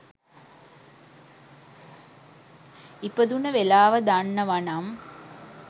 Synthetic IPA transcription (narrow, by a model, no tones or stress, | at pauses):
ipəd̪unəʋelaːʋəd̪anːəʋanam